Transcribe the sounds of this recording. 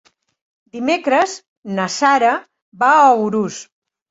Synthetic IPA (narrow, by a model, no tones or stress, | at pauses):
d̪imekɾəz | nəsaɾə | baəwɾus